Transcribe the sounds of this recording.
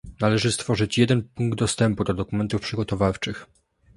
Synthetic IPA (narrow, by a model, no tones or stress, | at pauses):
nalɛʐɘst̪fɔʐɘt͡ɕjɛd̪ɛnpuŋɡ̚d̪d̪ɔst̪ɛmpud̪ɔd̪ɔkumɛnt̪ufpʂɘɡɔt̪ɔvaft͡ʂɘx